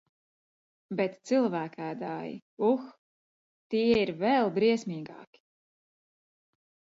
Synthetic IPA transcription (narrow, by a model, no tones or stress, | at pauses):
bɛt̪t̪silˠvæːkʰæːd̪aːjḭux | t̪iɛiɾvɛlˠbɾiɛsmʲiːɡɑ̰ːki̥